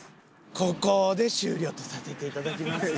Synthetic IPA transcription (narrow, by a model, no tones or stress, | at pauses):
kʰo̞ko̞ːd̪e̞ɕɨ̰ːɾʲo̞ːt̪o̞sase̞t̪e̞it̪ad̪akʲimasɨ